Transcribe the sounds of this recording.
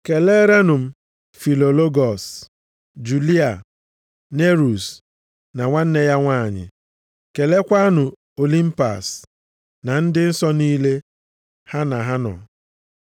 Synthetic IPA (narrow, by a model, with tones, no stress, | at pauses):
ke˨le˦ɾe˦nʊ˨m̩˦ | fi˨lo˨lo˦ɡɔ˨s | d͡ʒu˨li˦a˨ | ne˦ɾu˨s | na˨ŋʷa˦n̩˦ne˦ja˦ŋʷaː˦˨ɲɪ̰˨ | ke˨le˦kʷa˦a˦nʊ˨ | o˨li˦m̩˦pa̰˨s | na˨n̩˦dɪ˦n̩˦sɔ˦niː˦le˦ | ha˦na˨ɦa˦nɔ̰˨